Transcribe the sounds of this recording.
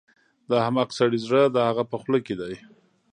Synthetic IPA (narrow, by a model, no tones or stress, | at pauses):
d̪ɑhamaqsaɽizɽəd̪ahaɣapəxləked̪aj